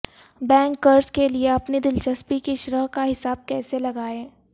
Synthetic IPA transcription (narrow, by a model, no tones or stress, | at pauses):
bɛ̃ːŋkːɐɾskelieɐpnid̪ɪlt͡ʃɐspikiʃʊɾəɦkaɦɪsaːb̚kɛːselɐɡaːẽː